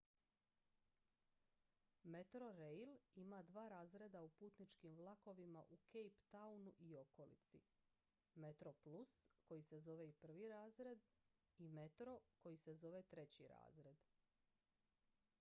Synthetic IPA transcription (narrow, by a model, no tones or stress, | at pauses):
me̞t̪ɾo̞ɾejlimad̪ʋaːɾaːzɾed̪aupuːt̪nit͡ʃkimʋlˠako̞ʋimaʔukʰejpt̪aunuʔio̞ko̞lḭt̪sḭ | me̞t̪ɾo̞plusko̞jise̞zo̞ʋe̞ipr̩ʋiɾaːzɾe̞d̪ | ime̞t̪ɾo̞ko̞jise̞zo̞ʋe̞t̪ɾe̞t͡ɕiɾa̰ːzɾe̞d̪